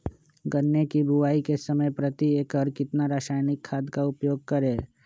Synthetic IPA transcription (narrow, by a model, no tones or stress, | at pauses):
ɡənːekibʱʊʋaːikesəməjpɾət̪ieːkɦəɾkɪt̪naɾaːʃaːjnɪkʰːaːd̪kaʊpjoːɡ̚kɐɾeː